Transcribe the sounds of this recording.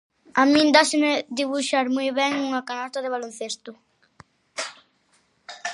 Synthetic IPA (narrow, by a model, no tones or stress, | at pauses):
amĩnd̪asemed̪iβuʃaɾmujβɛŋuŋakanast̪aðeβ̞alonθest̪ʊ